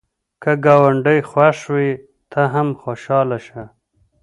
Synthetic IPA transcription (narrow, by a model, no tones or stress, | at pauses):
kaɡɑːwaɳɖəjxwaʂwi | t̪ʰaɦamxoʃɑːlaʃa